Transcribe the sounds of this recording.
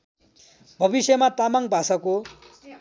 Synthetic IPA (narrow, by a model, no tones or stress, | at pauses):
bʱʌbisjʌmat̪amaŋbʱasʌko